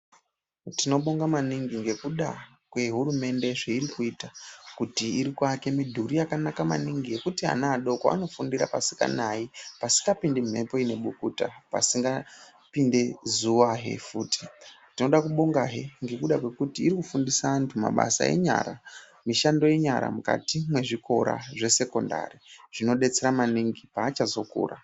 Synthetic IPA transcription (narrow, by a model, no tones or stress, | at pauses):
tino̞ɓo̞ŋɡamaniŋɡiŋɡe̞kuɗa | kwe̞ɦurume̞nde̞ʐeiɾikuitakutiiɾikwake̞midʱuɾijakanakama̰niŋɡije̞kutiɦa̰naːɗo̞kaa̰no̞fundiɾa̰pasi̥ka̰naipasi̥ŋɡapindem̤e̞̰po̞ine̞ɓukuta̰pa̰siŋɡa | pinde̞zuʋaɦe̞̰fuːti̥tino̞ɗakuɓoŋɡaɦeŋɡe̞kuɗakwe̞kutiːɾikufundisaantʰuma̰ɓa̰sa̰e̞̰ɲa̰ɾa | miʃando̞je̞ɲaɾa̰muka̰timwe̞ʐiko̞ɾa̰ʐe̞se̞ko̞nda̰riʐ̥ino̞ɗe̞t͡se̞ɾamaniŋɡipaːt͡ʃazo̞kṵːra̰